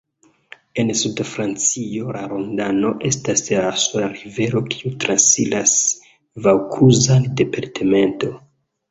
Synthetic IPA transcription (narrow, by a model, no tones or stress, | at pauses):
e̞nsudfɾant͡sio̞laɾo̞ndano̞ʔe̞stasasulaɾive̞ɾo̞kʰi̥utɾansilas | vawkʰuzande̞paɾtʰeme̞nto̞